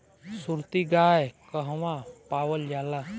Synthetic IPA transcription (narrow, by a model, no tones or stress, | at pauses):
suɾt̪iɡaːekəɦʋãpaːwəld͡ʒaːlaː